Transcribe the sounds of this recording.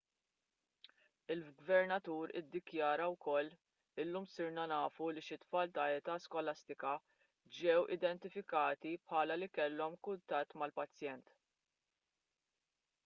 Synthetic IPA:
ɪlɡvɛɾnɐt̪uːɾɪ̰d̪ːɪkjɐːɾɐwkɔlː | ɪlːuːmsɪɾnɐnɐːfuliʃɪt̪ːfɐːlt̪ɐɛt̪ɐːskɔlɐst̪ɪkɐ | d͡ʒɛwʔɪ̰d̪ɛnt̪ɪfɪkɐːt̪ipħɐːlɐlikɛlːɔmkʊnt̪ɐt̪ːmɐlpɐt͡sːjɛnt̪

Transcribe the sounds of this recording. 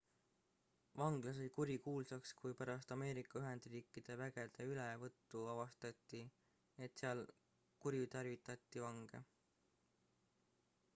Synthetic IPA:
vɑŋɡ̥lɑs̬o̞jkuɾʲikuːlsɑkskujpæɾɑst̪ɑme̞ːɾikːˑɑyɦe̞nd̪̥riːkːˑid̪̥e̞væɡ̥e̞d̪̥e̞ylevɤt̪ːuɑvɑst̪ɑt̪ˑːi | et̪seɑl | kuɾjut̪ɑrvit̪ːˑɑt̪ˑːivɑŋɡ̥e̞̰

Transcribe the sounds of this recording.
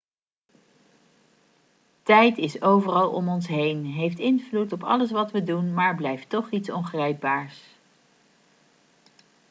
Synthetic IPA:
tɛjtɪsowvərɑlˠɔ̰mɔnsɦejnɦejftɪnvlutɔpɑ̰ləs̬ʋɑtʋədunmaːɹblɛjftɔχitsɔnχrɛjk̚baːɹs

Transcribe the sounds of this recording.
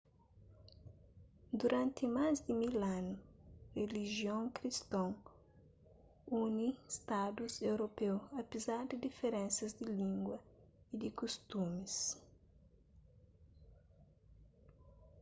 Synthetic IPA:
d̪uɾãnt̪ɪmazd̪ɪmilanureliʒiõŋkɾist̪õŋ | unist̪ad̪uzewɾopewɐpezaɾd̪ɪd̪ifeɾẽnsɐzd̪ilĩŋɡwɐid̪ikust̪umis

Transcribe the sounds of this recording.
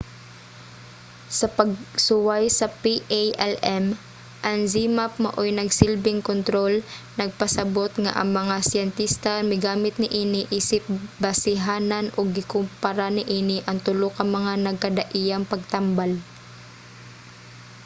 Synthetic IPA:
sɐpɐɡ̚sʊwajsɐpiʔajʔɛlɛm | ʔɐŋzimap̚mɐʔojnɐɡsɪlbɪŋkont̪ɾo̞lnɐɡ̚pɐsɐbo̞t̪ŋa̰ʔɐ̰ŋmɐŋasjɛnt̪ist̪ɐmɪɡaːmɪt̪̚nɪʔiːnɪʔiːsɪp̚bɐsɪɦaːnɐnʔoɡ̚ːɪkʊmpɐɾanɪʔiːnɪʔɐŋt̪ʊlokɐŋmɐŋanɐɡ̚kɐd̪ɐʔijɐŋpɐɡ̚t̪ambal

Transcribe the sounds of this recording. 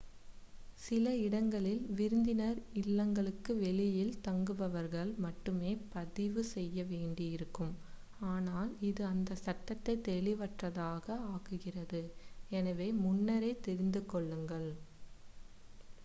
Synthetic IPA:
sɪlɐɪɽɐŋɡɐɭɪlʋɪɾɯnd̪ɪnɐɾɪlːɐŋɡɐɭɯkːɯʋɛɭɪjɪlt̪ɐŋɡɯʋɐʋɐɾɣɐɭmɐʈːɯmeːpɐðɪʋɯsɛjːɐʋeːɳɖɪjɪɾɯkːɯm | aːnaːlɪðɯɐnd̪ɐsɐʈːɐt̪ːɐɪt̪ːɛɭɪʋɐʈrɐðaːɣɐaːɣɯɣɪrɐðɯɛnɐʋeːmʊnːɐɾɐɪt̪ːɛɾɪnd̪ɯkɔɭːɯŋɡɐɭ

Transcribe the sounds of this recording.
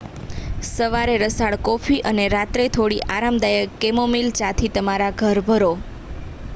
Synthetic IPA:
səʋaɾeɾəsaɭkofiʔəneɾat̪ɾet̪ʰoɽiʔaɾamd̪ajəːemomilt͡ʃat̪ʰit̪əmaɾaɡʱəɾbʱəɾo

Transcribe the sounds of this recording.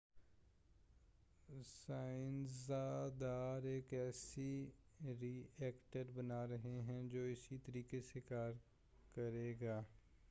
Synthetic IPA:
saːɪnsad̪aːɾeːkɛːsi | ɾiːɛːkʈəɾbɐnaːɾɐɦeɦɛ̃d͡ʒoːɪsit̪əɾiːkesekaːɾ | kɐɾeːɡaː

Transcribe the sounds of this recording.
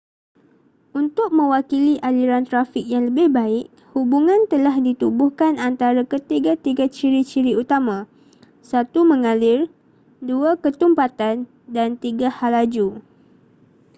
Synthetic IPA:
unt̪ʊk̚mə̃wakiliʔaliɾant̪ɾafɪk̚jaŋləbɪhbaɪʔ̚ | hubuŋãnt̪əlahdit̪ubuhkanant̪aɾakət̪iɡat̪iɡat͡ʃiɾit͡ʃiɾiut̪amã | sat̪umə̃ŋalɪr | duakət̪umpat̪an | dant̪iɡahalad͡ʒu

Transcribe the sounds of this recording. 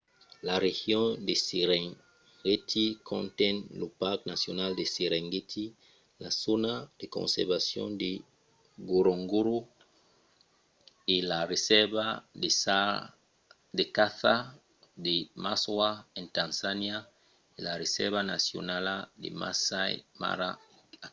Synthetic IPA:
laʁeɣjɔ̃desiʁɛŋ | ɡetʰikʰɔ̰̃ntɛ̃nlopaʁknasjonaldeseʁɛ̃ŋɡetʰi | lazonad̥ekɔ̰̃nsɛ̰ʁvasjɔ̰̃de | ɡoɾoŋɡoɾo | elaʁesɛvadesa | dekaθa | demaswaɛ̃ntãnsanja | elaʁesɛ̰vana̰sjo̰naladḛma̰saj̰ma̰ɾa̰

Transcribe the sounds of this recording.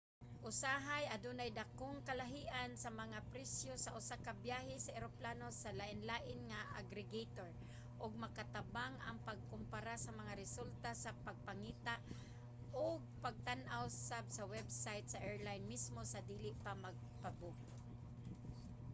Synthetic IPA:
ʔʊsaɦajɐd̪unajd̪akoŋkɐlaɦiːʔansɐmɐŋapɾɛsjosaʔʊsakabjaɦɪsɐʔɛɾoplaːnosalaʔɪnlaːʔɪnŋaʔa̰ɡɾɪɡejt̪oɹ | ʔʊɡ̚mɐkat̪abaŋʔa̰ŋpaɡ̚kʊmpaɾasɐmɐŋaɾɪsult̪asapaɡ̚paŋiːt̪aʔ | ʔʊɡ̚paɡ̚t̪anʔawsap̚sawɛbsajt̪̚saʔɛɹlajnmismosad̪iːlɪʔpamaɡ̚pabʊk̚

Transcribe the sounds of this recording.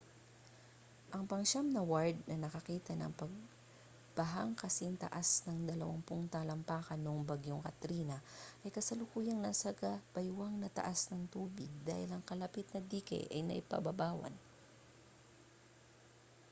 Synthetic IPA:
ʔɐŋpɐŋʃamnɐwaɹd̪̚nɐnɐkɐkiːt̪ɐnɐ̰ŋpɐɡ̚ | bɐɦaŋkɐsɪŋt̪ɐ̰ʔasnɐŋd̪ɐlɐwaŋpʊŋt̪aːlɐmpaːkɐnːoŋbɐɡjoŋkɐt̪ɾiːnɐʔɐjkɐsɐlʊkuːjɐŋnɐsɐkɐb̥ɐjwaŋnɐt̪ɐ̰ʔasnɐŋt̪uːbɪɡ̚d̪a̰ːhɪlɐŋkɐlɐpit̪̚nɐd̪iːkɛ̰ʔɐ̰jnɐ̰ʔɪpɐ̰bɐbaːwɐ̰n

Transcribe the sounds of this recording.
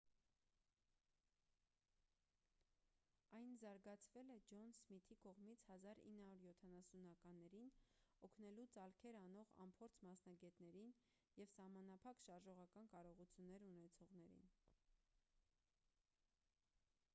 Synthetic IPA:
ɑjnzɑɾɡɑt͡sʰvɛlɛd͡ʒɔnsmit̪ʰikɔʁmit͡sʰhɑzɑɾḭnːhɑɾuɾjɔt̪ʰɑnɑsunɑkɑnːɛɾinɔkʰnɛlut͡sɑlkʰɛɾɑnɔʁɑ̰mpʰɔɾt͡sʰmɑsnɑɡɛt̪nɛɾin | jɛvsɑhmɑnɑpʰɑkʃɑɾʒɔʁɑkɑnkɑɾɔʁut͡sʰjunːɛɾunɛt͡sʰɔʁnɛɾḭn

